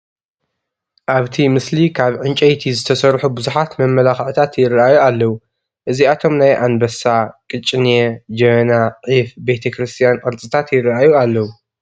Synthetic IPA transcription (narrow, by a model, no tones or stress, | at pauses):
ʔaβt̪ʰimɨslikʰaβʕɨnt͡ʃʼɐjt̪ʰizɨt̪ʰɐsɐɾħubɨzuħat̪mɐmːɐlaxʕɨt̪ʰat̪jɪrːɐʔajualːɐwu | ʔɨziat̪ʰo̞mnajʔanbɐsakʼɨt͡ʃʼːned͡ʒɐnaʕifbet̪ʰɐkɾɨst̪ʰijanʔʼɨɾt͡sʼɨt̪ʰat̪jɪrːɐajualːɐwu